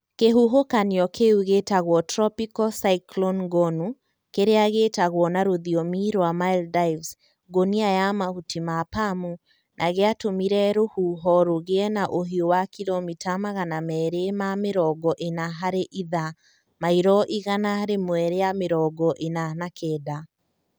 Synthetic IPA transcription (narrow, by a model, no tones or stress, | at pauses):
keɦuɦokaniɔkeuɣetaɣwɔtɾɔpikɔsaiklɔnɡɔnu | keɾeaɣetaɣwɔnaɾoðiɔmiɾoamaildaivs | ɡoniajamahutimapamu | nʔaɣeatomiɾɛɾohuɦɔɾoɣeɛnaʔoɦiowakilɔmitʰamaɣanamɛːɾemameɾɔɡɔʔenaɦaɾeʔiða | maiɾɔʔiɣanahaɾemwɛɾejameɾɔɡɔʔenanakʰɛːda